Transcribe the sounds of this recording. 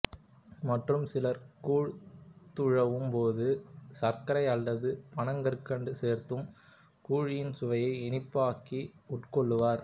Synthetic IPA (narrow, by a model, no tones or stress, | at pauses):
mɐʈrɯmsɪlɐɾkuːɻt̪ʊɻɐʋɯmpoːðɯsɐɾkɐɾɐɪɐlːɐðɯpɐɳɐŋɡɐɾkːɐɳɖɯseːɾt̪ɯm | kuːɻɪjɪnsʊʋɐjɐɪɛnɪpːaːkiʊʈkɔɭːɯʋaːɾ